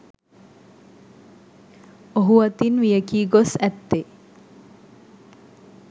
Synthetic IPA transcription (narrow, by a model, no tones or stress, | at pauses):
oɦuat̪inʋijəkiːɡosæt̪ːe